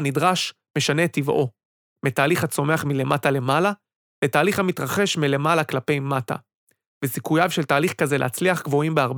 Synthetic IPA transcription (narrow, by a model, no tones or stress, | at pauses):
nidʁaʃ | me̞ʃane̞tivo̞ | metaːliχhat͡so̞me̞aχmile̞matale̞mala | letaːliχhamitʁaχe̞ʃmile̞malaklape̞jmata̰ | vesikujavʃeltaːliχkazelʔḛhat͡sliaχɡvo̞imbeaʁb